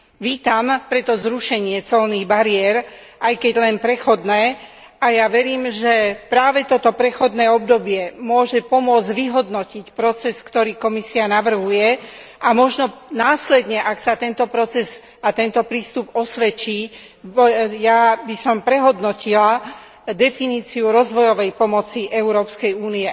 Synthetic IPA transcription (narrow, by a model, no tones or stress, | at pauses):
ʋiːt̪ampɾɛt̪ɔzɾuʃɛɲɪɛt͡sɔlniːɣbaɾiɛɾ | ʔajkɛɟlɛnpɾɛxɔd̪nɛː | ajaʋɛɾiːmʒɛpɾaːʋɛt̪ɔt̪ɔpɾɛxɔd̪nɛːɔbd̪ɔbɪjɛmʊɔʒɛpɔmʊɔd͡zɟʋiɦɔd̪nɔcicpɾɔt͡sɛskt̪ɔɾiːkɔmisianaʋr̩ɦujɛ | amɔʒnɔnaːslɛd̪ɲɛʔaksat̪ɛnt̪ɔpɾɔt͡sɛz | at̪ɛnt̪ɔpɾiːst̪ubɔsʋɛt͡ʃiː | jabisɔmpɾɛɦɔd̪nɔcila | d̪ɛfiniːt͡siuɾɔzʋɔjɔʋɛjpɔmɔt͡siʔɛuɾɔːpskɛjuːniɛ